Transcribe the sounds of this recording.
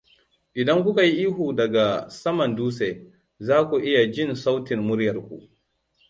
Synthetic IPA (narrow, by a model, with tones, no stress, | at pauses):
ʔɪ˨dɐ˦ŋkʷʊ˦ka˨ji˦ʔiː˦ɦuː˨dɐ˨ɡa˨sɐ˦mɐ˨nduː˦se˨ | zaː˦kʷu˨ʔɪ˦ja˨d͡ʒɪ˦˨nsa˦wtɪ˨mmʊ˦ɾjɐ˨rkʷṵ˨ʔ